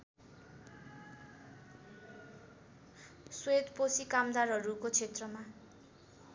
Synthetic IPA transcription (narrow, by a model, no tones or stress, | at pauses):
swed̪posikamd̪arɦʌɾukot͡sʰet̪rʌma